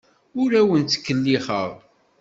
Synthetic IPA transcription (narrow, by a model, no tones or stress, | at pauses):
ʊɾæwənt͡s̪ːə̥kːəlːiχə̰ʁ